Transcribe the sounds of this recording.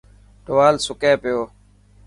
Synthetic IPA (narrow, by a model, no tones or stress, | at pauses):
ɖoʋaːlsʊkẽːpɪjoː